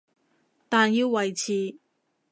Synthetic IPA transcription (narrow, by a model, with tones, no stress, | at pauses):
t̪aː˨˩njiː˧wwɐ˨˩jt͡sʰiː˨˩